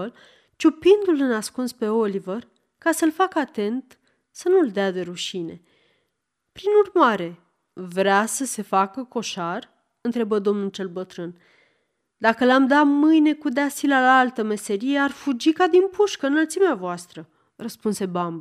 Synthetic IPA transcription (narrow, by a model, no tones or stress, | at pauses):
l | t͡ʃupind̪ulɨnaskunspe̞o̞livər | kasəlfakəat̪e̞nt̪ | sənuld̪ead̪e̞ɾuʃine̞̰ | pɾinurmaɾe̞ | vɾeasəse̞fakəko̞ʃar | ɨnt̪ɾe̞bəd̪o̞mnult͡ʃe̞lbət̪ɾɨn | d̪akəlamd̪amɨjne̞kud̪asilalaalt̪əme̞se̞ɾije̞arfud͡ʒikad̪inpuʃkəɨnːəlt̪simeavoast̪ɾə | rəspunse̞bamb